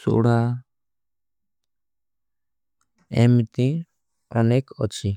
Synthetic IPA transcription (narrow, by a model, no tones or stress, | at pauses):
sṵʔɽa | ɛmt̪ĩ | ɔnɛkɔt͡ʃʰi